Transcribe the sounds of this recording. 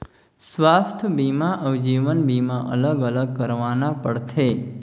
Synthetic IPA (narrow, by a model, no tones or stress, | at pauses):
sʋast̪ʰbimãʔəʋd͡ʒiʋənbimãʔə̰ləɡələɡ̚kəɾʋanapəɽt̪ʰe